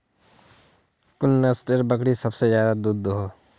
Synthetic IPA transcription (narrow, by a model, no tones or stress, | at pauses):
kʊnːəsʈəɾbəkɽisɐbsezjaːd̪ad̪ud̪ɦoː